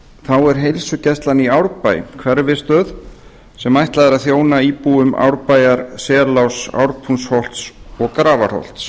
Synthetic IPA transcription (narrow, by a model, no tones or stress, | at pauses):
θawɛɾ̥ɦejlsʏcɛst̪laniawɾpaj̰kʰvɛɾvɪst̪œːð | sɛmajht̪laðɪɾaðθjoːwnaiːpuʏma̰wɾpajaɾsɛːlawsa̰wɾpʰunshɔlt̪sɔɣkɾaːvar̥hɔ̰wl̥t̪s